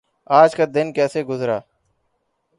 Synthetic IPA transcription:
aːd͡ʒkad̪ɪnkɛːseːɡʊzɾaː

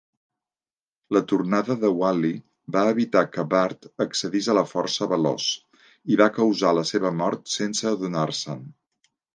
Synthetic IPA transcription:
lət̪urnaðəðəwali | baəβit̪akəbaɾt̪əksəðizələfɔrsəβəlɔ̰s | iβakəwzaləseβəmɔɾt̪sensəːðunarsən

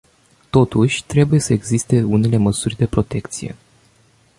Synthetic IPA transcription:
t̪o̞t̪uʃʲt̪ɾe̞buje̞səeɡzist̪e̞une̞le̞məsurʲd̪e̞pɾo̞t̪e̞kt̪sije̞̰

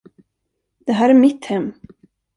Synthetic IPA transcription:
d̪̥ɛɦæːɾæɾmɪt̪hɛmː

